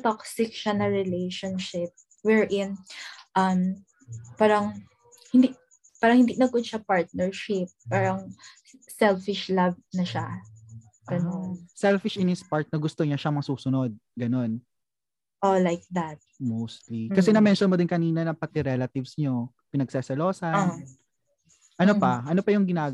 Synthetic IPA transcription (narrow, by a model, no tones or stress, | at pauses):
t̪oksɪkʃanɐɹɪlejʃonʃɪp̚ | wɛɹʔɪnʔɐm | paːɾɐŋ | hɪnd̪i | paːɾɐŋhɪnd̪inɐɡkʊd̪ʃɐpaɹt̪̚nɛɹʃɪp̚ːaːɾɐŋ | sɛlfɪʃlɐb̚nɐʃa̰ | ɡ̥ɐnonsɛlfɪʃɪnɪspaɹt̪̚nɐɡʊst̪oɲaʃɐmɐŋɐsuːsʊnod̪̚ɡɐno̞n | ʔolajk̚d̪ɐt̪̚mowst̪likɐsɛnɐmɛnʃɔnmod̪ɪnkɐniːnɐnɐpɐt̪ɪɾɛlɐt̪ɪvsɲo | pɪnɐɡ̚sɛsɛloːsɐn | ʔɐnopɐʔɐnopɐjʊŋɡɪnaːɡ